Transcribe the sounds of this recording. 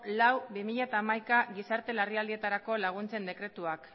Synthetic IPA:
lawbimiʎat̪aːmajkaɣisaɾt̪e̞lariald̪ie̞t̪aɾako̞laɣ̞unt͡se̞nd̪e̞kɾe̞t̪uak

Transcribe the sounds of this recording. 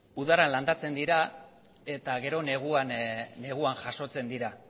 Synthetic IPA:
uðaɾanland̪at͡se̞nd̪iɾa | e̞t̪aɣe̞ɾo̞ne̞ɣ̞uanːe̞ɣ̞uaŋʝaʃo̞t͡se̞nd̪iɾa

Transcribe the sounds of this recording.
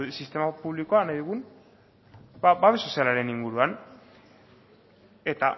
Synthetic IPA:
sist̪e̞mapuβliko̞anajðuɣ̞un | babaðesosialaɾe̞niŋɡuɾuan | e̞t̪a

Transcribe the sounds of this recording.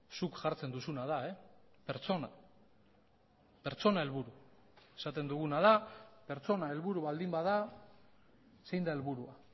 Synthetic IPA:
sukʝaɾt͡se̞nd̪usunað̞ae̞pe̞ɾt͡so̞na | pe̞ɾt͡so̞nae̞lβuɾu | e̞sat̪e̞nd̪uɣ̞unað̞ape̞ɾt͡so̞nae̞lβuɾuβald̪imbaða | se̞jnd̪ae̞lβuɾua

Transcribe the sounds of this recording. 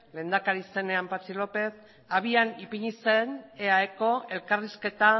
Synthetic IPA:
le̞ːnd̪akaɾise̞ne̞ampat͡silo̞pe̞θ | aβianipiɲisene̞aeko̞ʔe̞lkariske̞t̪a

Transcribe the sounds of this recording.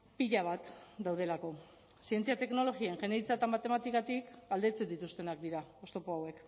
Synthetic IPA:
piʎaβ̞at̪d̪awð̞e̞lako̞ | sie̞nt͡siat̪e̞kno̞lo̞ɣiaeŋʝe̞neit͡sat̪amat̪e̞mat̪ikat̪ikɡald̪e̞t͡se̞nd̪it̪ust̪e̞nakd̪iɾao̞st̪o̞poawe̞k

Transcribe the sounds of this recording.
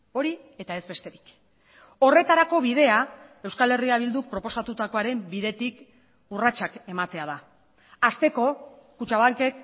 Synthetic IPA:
o̞ɾi | e̞t̪ae̞zβe̞st̪e̞ɾik | o̞re̞t̪aɾako̞β̞ið̞e̞ae̞wskale̞riaβ̞ild̪uk̚pɾo̞po̞sat̪ut̪ako̞aɾe̞mbiðe̞t̪ik | urat͡ʃake̞mat̪e̞að̞a | ast̪e̞ko̞kut͡ʃaβaŋke̞k

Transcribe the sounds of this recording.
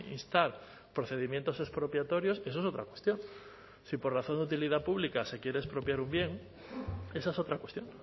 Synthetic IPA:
ḭnst̪aɾ | pɾoθeð̞imjent̪o̞sespɾopjat̪oɾjoses̬oesot̪ɾakwest̪joŋ | siporaθond̪ut̪̬ilið̞apuβlikase̞kjeɾeːspɾopjaɾumbjeŋ | esasot̪ɾakwest̪joŋ

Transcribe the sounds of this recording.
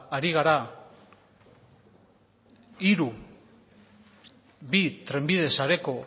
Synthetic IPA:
ɾiɣ̞aɾa | iɾu | βit̪ɾe̞mbið̞e̞saɾe̞ko̞

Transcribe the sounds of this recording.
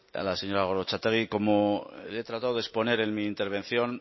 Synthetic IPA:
a̰lase̞ɲo̞ɾaɣoɾot͡ʃat̪eɣ̞iko̞molet̪ɾat̪aðoðe̞spo̞ne̞ɾe̞nmiːnt̪e̞ɾβ̞ẽ̞n̟θjo̞n

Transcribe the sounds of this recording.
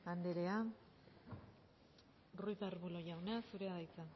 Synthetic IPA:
and̪eɾe̞a | rujt̪aɾβulo̞ʝawneasuɾeaðajt͡sa

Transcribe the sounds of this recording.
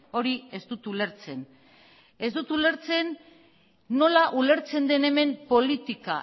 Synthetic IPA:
o̞ɾie̞zd̪ut̪ule̞ɾt͡se̞n | e̞zd̪ut̪ule̞ɾt͡se̞nː | o̞laʔule̞ɾt͡se̞nd̪e̞ne̞me̞mpo̞lit̪ika

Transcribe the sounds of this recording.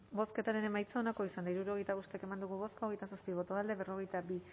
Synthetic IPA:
bo̞ske̞t̪aɾe̞ne̞majt͡sao̞nako̞isand̪aiɾuɾuo̞ɣ̞e̞jt̪aβost̪eake̞mand̪uɣuβo̞skaoɣe̞jt̪asaspiβ̞o̞t̪o̞ald̪e̞βe̞ro̞ɣ̞e̞jt̪abi

